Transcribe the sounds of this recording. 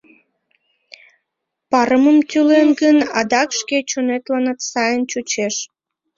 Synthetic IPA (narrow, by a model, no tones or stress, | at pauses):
pɑɾəməmt̪ylenɡənɑd̪ɑkʃket͡ɕonet̪lɑnɑt̪sɑjənt͡ɕut͡ɕeʃ